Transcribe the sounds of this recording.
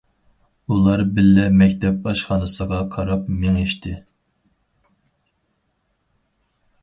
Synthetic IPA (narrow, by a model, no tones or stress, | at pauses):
ulˠɑɾbɪlːɛmɛkʲt̪ʰɛp̚ɑʃχɑnɨsəʁɑqʰɑɾɑpmɪŋeʃt̪ʰɪ